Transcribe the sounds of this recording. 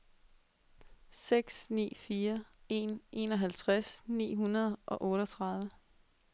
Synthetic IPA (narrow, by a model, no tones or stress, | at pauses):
seɡ̥snḭːfiːɐe̝nʔe̝̰ːnɒ̽ɦælt͡sʰʁasnḭːɦunɐð̞ˠʔɒ̽ʔɔ̽ːɾɒt͡sʰʁɑ̈ð̞ˠʋə